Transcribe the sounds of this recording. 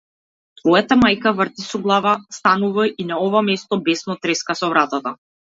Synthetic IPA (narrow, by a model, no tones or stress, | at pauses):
t̪vɔjat̪amajkavr̩t̪isɔɡlˠavast̪anuvainaɔvamɛst̪ɔbɛsnɔt̪ɾɛskasɔvɾat̪at̪a